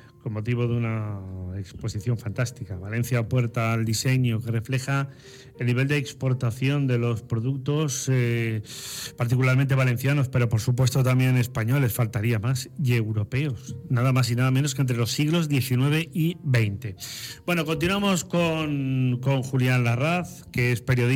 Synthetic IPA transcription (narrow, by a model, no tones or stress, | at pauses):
ko̞mmo̞t̪iβ̞o̞ðunaekspo̞siθjo̞ɱfant̪ast̪ikaβalẽ̞n̟θjaːpwe̞ɾt̪aːld̪ise̞ɲo̞ke̞re̞fle̞xa | e̞lniβ̞e̞ld̪eːkspo̞ɾt̪aθjo̞nd̪e̞lo̞spɾo̞ðuk̚t̪o̞s | paɾt̪̬ikulaɾmẽnt̪̬e̞βalẽ̞n̟θjano̞spe̞ɾo̞po̞ɾsup̬we̞st̪ot̪amje̞ne̞spaɲo̞le̞sfalt̪aɾiamasie̞wɾope̞osnaðamas̬inaðamẽnos̬kent̪ɾe̞lo̞sːiɣlo̞zðje̞θinwe̞β̞e̞ʔibe̞jnt̪e̞b̥we̞no̞kont̪̬inwamo̞skonko̞ŋxuljanlaraθ | ke̞espe̞ɾjo̞ði